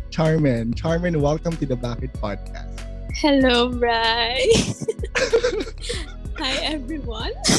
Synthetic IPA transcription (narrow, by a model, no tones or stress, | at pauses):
t͡ʃaɹmɛ̃nt͡ʃaɹmɛ̃nwɛlˠkɐ̃mt̪ud̪ɐbafɪt̪̚pʰa̰d̪̚kʰa̰st̪ | hɛlobɹaj | hajʔɛvɹiwʌ̃n